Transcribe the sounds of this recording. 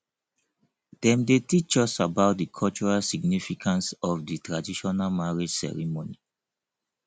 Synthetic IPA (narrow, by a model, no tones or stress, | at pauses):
d̥ɛ̃mdetit͡ʃɔsabaʊt̚dikʰɔlt͡ʃɔɹalsiɡnifikʰãnsɔfditɹadiʃɔnalmaɹed͡ʒsɛ̰ɹimonḭ